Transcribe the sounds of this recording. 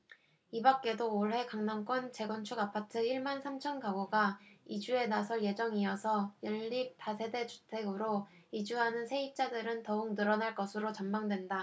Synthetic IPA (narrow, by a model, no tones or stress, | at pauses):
ibak̚k͈e̞doːɭɦe̞kaŋnaŋk͈wʌnt͡ɕe̞ɡʌnt͡ɕʰuɡapʰatʰɯiɭmansʰamt͡ɕʰʌnkaɡoɡaid͡ʑue̞nasʰʌɭje̞d͡ʑʌŋiʌsʰʌjʌɭːip̚tasʰe̞de̞t͡ɕu̥tʰe̞ɡɯɾo | id͡ʑuɦanɯnsʰe̞ip̚t͡ɕ͈adɯɾɯntʌuk̚nɯɾʌnaɭk͈ʌsʰɯɾot͡ɕʌmbaŋdwe̞nda